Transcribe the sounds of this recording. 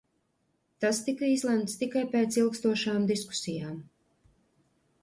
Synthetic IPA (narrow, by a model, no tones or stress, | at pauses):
t̪ast̪ikəiːzlˠɛmt̪st̪ikajpeːt̪silˠkst̪uɔʃaːmd̪isku̥sijaːm